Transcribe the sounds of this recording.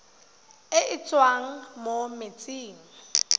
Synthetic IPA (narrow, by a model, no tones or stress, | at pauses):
ɪʔɪt͡sʼwaŋ̩momet͡sʼiːŋ̩